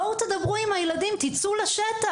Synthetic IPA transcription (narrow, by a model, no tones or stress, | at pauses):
owt̪ed̪ɐbʁuimhajeladimt̪it͡sulaʃet̪a